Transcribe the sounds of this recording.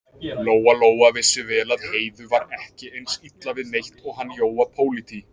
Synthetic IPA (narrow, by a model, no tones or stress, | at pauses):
loːwaloːwavɪsɪvɛːlaðheːjðʏvaɾɛhcɪejnsit̪lavɪðnejht̪ɔɣɦanːjoːwapʰoːwlit̪ʰi